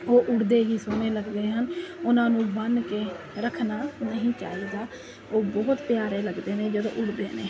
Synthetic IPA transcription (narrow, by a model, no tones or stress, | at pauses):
oːʔʊɽd̪eːɦiːsʊneːləɡd̪eːɦənʊnãːnũːbənkeː | ɾəkʰnaːnəɦĩːt͡ʃa̰ːiːd̪aː | oːbɔːt̪pjaːɾeːləɡd̪eːnẽːd͡ʒəd̪õ̰ːʔʊɽd̪ḛːneː